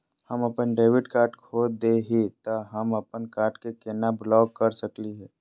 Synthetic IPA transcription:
həməpənɖeːʋɪɖkaːɾʈkʰoːd̪eɦit̪oɦəməpənkaːɾʈkekeːnablɔːkːəɾsəkliɦɛː

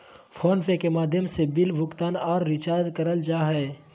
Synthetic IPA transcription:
fʰɔːnpʰekemaːd̪ʱjəmsebɪlbʱʊkt̪aːnɔːɾːɪt͡ʃaːɾd͡ʒkəɾəld͡ʒaːɦɛː

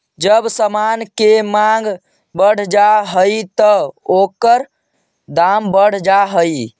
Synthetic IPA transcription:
d͡ʒəbsəmankemaŋɡ | bəɽ̤d͡ʒaɦəjt̪əokəɾ | d̪ambəɽ̤d͡ʒaɦəj

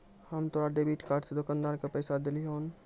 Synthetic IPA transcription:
həmt̪oɾaɖebiʈkaɾɖsed̪okand̪aɾkepəɪsad̪eliɦon

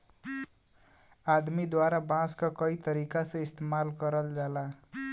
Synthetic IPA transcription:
ad̪mid̪waɾabãskakʌit̪ʌɾikasʌ̃ist̪emalkʌɾəld͡ʒala

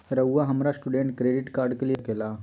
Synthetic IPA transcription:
ɾəwːaɦəmɾasʈuɖẽɳʈkɾeɖiʈkaɾɖkelijekela

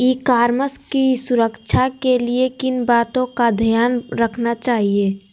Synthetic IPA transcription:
iːkaːɾməskisʊɾəkt͡ʃʰakeliekɪnbaːt̪õkad̪ʱijaːnɾəkʰnat͡ʃaːɦieː

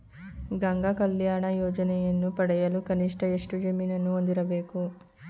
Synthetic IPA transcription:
ɡɐŋɡakɐljaːɳɐjɔːd͡ʒɐnɛjɐnːupɐɽɐjɐlukɐniʂʈɐeʂʈud͡ʒemiːnɐnːuond̪iɾɐbe̞ːku

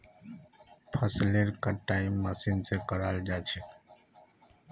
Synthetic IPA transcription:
pʰəsleːɾkaːʈaːɪmːəsiːnsekəɾaːld͡ʒaːt͡ʃʰeː

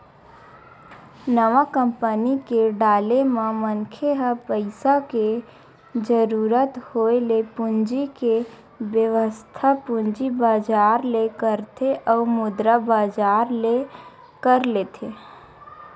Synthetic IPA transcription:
nəʋakə̃mpənikeɖaːlemẽmənkʰeɦəpəɪsake | d͡ʒəɾuːɾət̪hoelepʊnd͡ʒike | bjəʋəst̪ʰapʊnd͡ʒibaːd͡ʒaːɾlekəɾt̪ʰeʔɔːmʊd̪ɾabaːd͡ʒaːɾle | kəɾleːt̪ʰe

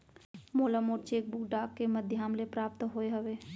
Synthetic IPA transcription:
moːləmoːɾt͡ʃeːk̚bukɖaːkːeməd̪ʱjaːmlepɾaːp̚t̪ɦoːeɦəʋeː

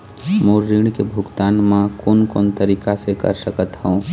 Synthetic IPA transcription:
moːɾɾiːɽ̃kebʱʊɡt̪aːnmãkoːnkoːnt̪əɾiːkasekə̰ɾsəkət̪ɦɛũ

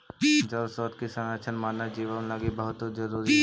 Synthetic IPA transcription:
d͡ʒəlsɔːt̪kisə̃ŋət͡ʃʰənmaːnːad͡ʒiːʋənlaɡibəɦʊt̪ɦod͡ʒəɾuːɾi

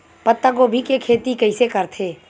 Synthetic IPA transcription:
pət̪ːəɡobʱikekʰeːt̪ikɐɪsekəɾt̪ʰeː

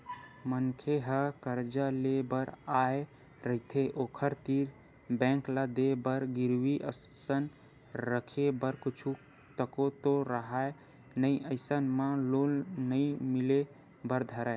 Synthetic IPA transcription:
mənkʰeɦəkəɾd͡ʒalebəɾae | ɾəɦit̪ʰeʔokʰəɾt̪iɾ | bɛ̃ŋklad̪ebəɾɡiɾwiʔə̰sən | ɾəkʰebəɾkut͡ʃʰu | t̪əkot̪oɾəɦae | nəjʔəɪsənmãlolnəimile | bəɾd̪ʱəɾa

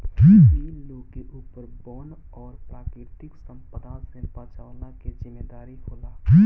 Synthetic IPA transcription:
d͡ʒiːiːloːkeʔuːpəɾbɔːn | ɔːɾpɾaːkɾɪɾt̪ɪksə̃mpəd̪aːsẽpãːt͡ʃaːʊlakezɪmːeːd̪aːɾiɦoːlaːd͡ʒiː

